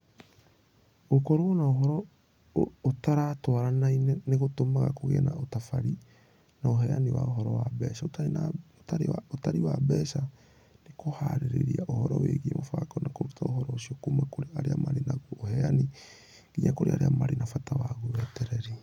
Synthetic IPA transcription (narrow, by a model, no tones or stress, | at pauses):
okɔɾoɣonaoɦɔɾɔ | otaɾatwaɾanainɛneɣotomaɣa̰koɣḛnaotafaɾi | naoɦɛaniwa̰oɦɔɾɔwabɛsaotana | aaotaɾiwabɛsa | nekoha̰ɾeɾḛɾiaʔohɔɾɔ̰wḛɣiemofakɔnakoɾutʰaohɔɾɔosiɔkumakoɾeaɾeamaɾenaɣoohɛani | iɲakoɾḛa̰ɾeamaɾenafatawaɣowɛtɛɾɛɾe